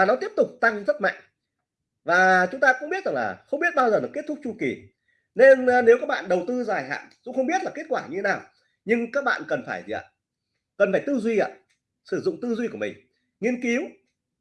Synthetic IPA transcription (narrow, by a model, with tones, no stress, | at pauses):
aː˨˩nɔ˨˦t̪i˦˥əp̚t̪ʊ˨˩k͡p̚t̪a˧ŋzə˦˥t̚ma̰˧˨jŋ | vaː˨˩t͡ɕʊ˨˦ŋ͡mt̪aː˧kʊ̰˧˥ŋ͡mɓi˦˥t̚za˨˩ŋlaː˨˩xə˧wŋ͡mɓi˦˥ət̚ɓaː˧wzəː˨˩ɗɨ˨˩ke˦˥t̪ʰʊ˦˥k̚t͡ɕu˧ki˨˩ | ne˧n˧ne˨˦wkaː˦˥k̚ɓa̰ː˧˨nɗə˨˩wt̪ɨ˧zaː˨˩jɦa̰ː˧˨nzʊ̰˧˥ŋ͡mxə˧wŋ͡mɓi˦˥ət̚laː˨˩ke˦˥t̚kwaː˧˩ɲɨ˧e˨˦naː˨˩w | ɲɨ˧ŋkaː˦˥k̚ɓa̰ː˧˨nkə˨˩nfaː˧˩jzḭ˨˩ʔa̰ː˧˨ | kə˨˩nfaː˧˩jt̪ɨ˧zwi˧ʔa̰ː˧ | sɨ˧˩zʊ̰˧˨ŋ͡mt̪ɨ˧zwi˧ku˧˩əmï˨˩ŋ̟ | ŋi˧ənki˨˦w